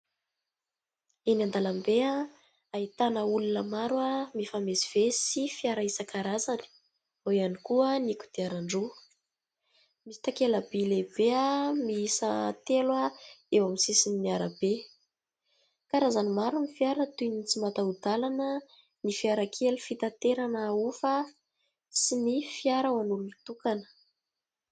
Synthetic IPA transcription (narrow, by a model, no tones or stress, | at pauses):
enand̪alambea | ait̪anəulunəmaɾwamifamesi̥v̥esifiaɾaisəkaɾazani̥ | oianikuəniku̥d̪̥eaɾaɳɖ͡ʐu | misi̥t̪akeləb̥eleb̥eamiisat̪elwaewamisisininiaɾəb̥e | kaɾazanimaɾunifiaɾət̪unit͡simat̪aud̪alanə | nifiaɾakʰelufit̪at̪eɾanaufə | sinifiaɾəwanulunit̪ukanə̥